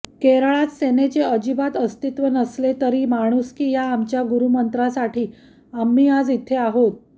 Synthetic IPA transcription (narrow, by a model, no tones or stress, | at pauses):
keɾaɭat̪senet͡ɕeəd͡ʑibat̪əst̪it̪ʋənəslet̪əɾiːmaɽ̃uskiːjaːmt͡ɕjaɡuɾumənt̪ɾasaʈʰiː | amːiːad͡zit̪ʰeaɦot̪̚